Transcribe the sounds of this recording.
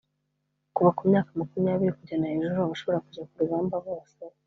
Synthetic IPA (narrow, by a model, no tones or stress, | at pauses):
kuβakumɲaːkamakumijaːβiɾikuɟanahe̞ʒuɾuaβaʃo̞βo̞ɾakuɟakuɾuɡaːmbaβoːse